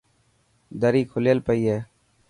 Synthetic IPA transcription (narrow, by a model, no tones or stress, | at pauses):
d̪əɾiːkʰʊlejəlpəiːɦeː